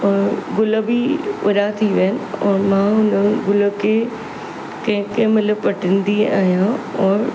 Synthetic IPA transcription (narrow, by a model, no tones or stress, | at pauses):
ɔːɾɡʊləbiʊɾat̪ʰiʋeənɪɔːɾmãːʊnəɡʊləkʰe | kɐ̃ɦɪ̃kəmɪlə̆pɐʈʰɪ̃nd̪iaːɦijãɔːɾ